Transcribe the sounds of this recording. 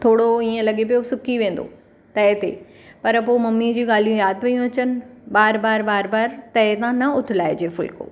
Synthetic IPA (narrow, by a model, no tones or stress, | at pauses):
t̪ʰoːɽoiːə̃lɐɠepijosʊkiʋẽːn̆d̪o̰ | t̪ɐɦɪt̪ḛ | pɐɾpoːmɐmːid͡ʑiːɠaːl̤ijũjaːd̪kɐjũɐt͡ɕənɪ̆ɓaːɾbaːɾbaːɾbaːɾt̪ɐɦet̪ãːnɐʊt̪ʰɪlaːed͡ʑeːfʊ̰lko̰ː